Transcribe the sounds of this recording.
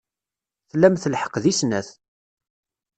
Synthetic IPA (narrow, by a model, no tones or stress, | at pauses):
θlːæmθəlħə̥qðisnæθ